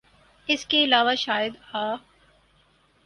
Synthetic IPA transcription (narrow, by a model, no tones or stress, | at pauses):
ɪskeɪlaːʋaʃaːjɪd̪haː